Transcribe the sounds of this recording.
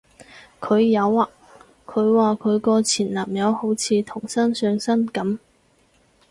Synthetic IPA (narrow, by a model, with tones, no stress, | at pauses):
kʰɵ˨˧ɥjɐ˨˧waː˨ | kʰɵ˨˧ɥwaː˨kʰɵ˨˧ɥkɔː˧t͡sʰiː˨˩nlaː˨˩mjɐ˨˧who˨˥wt͡sʰiː˧t̪ʰʊ˨˩ŋsɐ˥nsœː˧ŋsɐ˥nkɐ˨˥m